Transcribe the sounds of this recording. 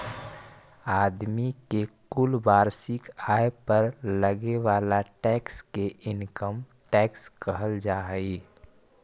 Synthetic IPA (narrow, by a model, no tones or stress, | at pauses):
aːd̪mikekʊlbaːɾsɪkaːepəɾləɡeʋaːlaʈɛːkskeʔɪnkəm | ʈɛːkskəɦəld͡ʒaːɦəi